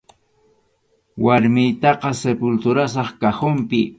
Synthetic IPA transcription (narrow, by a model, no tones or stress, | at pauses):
waɾmɪjt̪ɑqɑsepʊlt̪ʊɾasɑχkahʊmpɪ